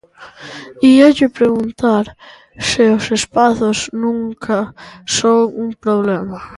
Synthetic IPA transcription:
iɛcepɾeɣunt̪aɾ | seosespaθosnuŋkʰaʃɔuŋpɾoβlɛma

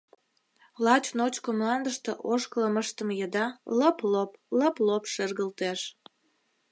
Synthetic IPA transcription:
lɑt͡ɕnot͡ɕkomlɑnd̪əʃt̪eʔoʃkələməʃt̪əmjəd̪ɑləplopləplopʃerɣəlt̪eʃ

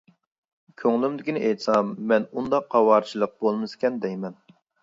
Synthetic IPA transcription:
kʲʰøŋlˠymd̪ɪkʲinɪʔejt̪sɑmːɛnund̪ɑqːɑwɑɾt͡ʃʰilˠəq̚bolˠmɨsɪ̥kʲɛnd̪ɛjmɛn

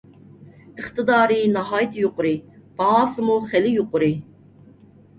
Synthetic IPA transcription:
ɨχt̪ɨd̪ɑːɾinɑɦɑːjt̪ʰjoqʊɾib̥ɑɑːsɨmuχɛlijuqʊɾi

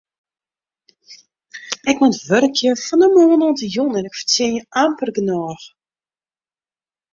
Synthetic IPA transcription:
ɛkmɔntʋørəkʰjəfɔnəmoːnɔntəjonɛnɪkfə̥rtɪnjəampərɡənɔːx

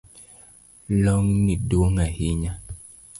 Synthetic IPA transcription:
lɔŋniduoŋahiɲa

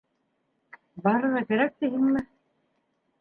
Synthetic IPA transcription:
bɑɾɤ̆ʁɑkæɾæk̚t̪iɦɘŋmɘ

